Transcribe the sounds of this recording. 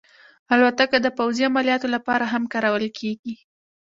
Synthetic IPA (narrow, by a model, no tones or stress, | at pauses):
halwat̪akad̪əpawziamalijɑt̪olapɑɾaɦamkɑɾawəlkʰeɡi